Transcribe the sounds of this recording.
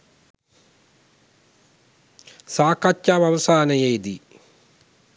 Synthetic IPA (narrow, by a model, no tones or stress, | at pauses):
saːkɐtːaʋaʋɐsaːnɐjejd̪i